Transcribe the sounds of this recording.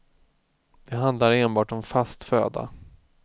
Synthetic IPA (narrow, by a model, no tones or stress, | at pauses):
d̪̥ɛɦand̪laɾeːnbɑːʈɔmfast̪fø̰ːd̪a̰